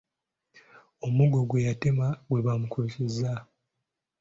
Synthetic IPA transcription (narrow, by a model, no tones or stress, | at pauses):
omuɡo̞ɡwe̞jatemaɡwe̞βamukuciza